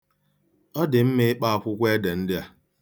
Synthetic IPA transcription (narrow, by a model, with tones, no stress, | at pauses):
ɔ˦dɪ˨m̩˦me˦ɪ˦k͡pa˦a˨kʷʊ˦kʷe˦de˨n̩˦dɪ˦a˨